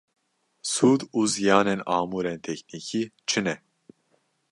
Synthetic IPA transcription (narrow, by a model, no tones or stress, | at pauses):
suːd̪uːzijaːnɛnaːmuːɾɛnt̪ʰɛcniːcʰiːt͡ʃʰɨnɛ